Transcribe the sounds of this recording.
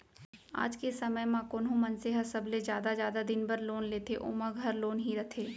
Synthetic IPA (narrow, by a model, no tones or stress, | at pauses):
a̰ːd͡ʒkesɐməjmãːkʊːnɦũmɐnseɦəsɐblezjaːd̪azjaːd̪ad̪ɪnbɐɾloːnleːt̪ʰeʔʊ̰məɡʱɦɐɾloːnɦiɾɐt̪ʰeː